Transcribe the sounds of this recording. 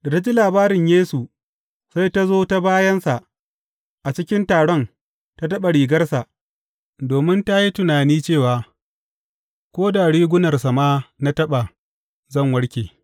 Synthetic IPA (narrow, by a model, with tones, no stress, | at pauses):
da˨ta˦d͡ʒi˦laː˨baː˦ɾɪ˨ɲjeː˦su˨ | sa˦jta˦zoː˦ta˦baː˦jɐ˦nsa˨ʔ | ʔa˨t͡ʃɪ˦kʲɪ˦ntaː˨ɽɔ˦n | ta˦tɐ˦ɓa˨ɽiː˨ɡɐ˦rsa˨ʔ | doː˨mɪ˦nta˦ji˦tʊ˨naː˨niː˦t͡ʃeː˦˨waː˨ | kʷoː˦da˨ɽiː˦ɡʷʊ˦nɐ˨rsa˨maː˦na˦tɐ˦ɓa˨ | zɐ˦˨ŋwɐ˦ɽkʲeː˨